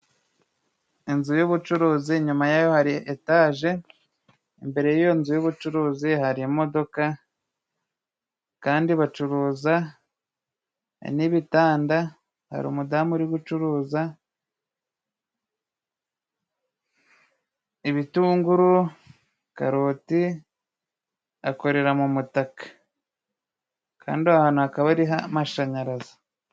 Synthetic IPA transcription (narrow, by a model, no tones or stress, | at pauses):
inzujoβut͡ʃuɾuːziɲumajaːjo̞haɾiʔetaːʒe̞ | imbe̞ɾe̞jijo̞nzujoβut͡ʃuɾuːzihaɾimo̞do̞ka | kaːndiβat͡ʃuɾuːza | niβitaːnda | ha̰ɾṵːmudamuɾiɡut͡ʃuɾuːza | eβituːŋɡuɾu | ka̰ɾoːti | ako̞ɾe̞ɾamumutakḁ | kʰa̰ːndiahaːnuakaβaɾiɦamaʃaɲaɾazḁ